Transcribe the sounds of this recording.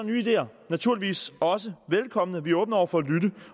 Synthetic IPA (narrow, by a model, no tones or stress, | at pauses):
ny̰ːid̥e̝̰ːɐnæt͡sʰuɐ̰liʋḭːsɒ̽səʋelkʰɒ̽m̰ənəʋiɔːb̥n̩ɐɒʊ̰ɐfɒ̽ælyɾə